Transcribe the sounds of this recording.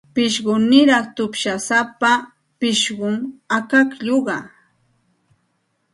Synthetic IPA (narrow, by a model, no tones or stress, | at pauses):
pɪʃɢʊnɪɾɑχt̪ʊpʃasapa | pɪʃɢʊmakakʎoɢɑ